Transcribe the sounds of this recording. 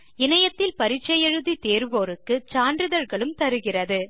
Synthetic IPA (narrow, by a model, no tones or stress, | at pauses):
ɪnɐjɐt̪ːɪlpɐɾɪt͡ʃːɐjɛɻɯðit̪eːɾʋoːɾɯkːɯt͡ʃaːndrɯðɐɻɣɐɭɯmt̪ɐɾɯɣɪrɐðɯ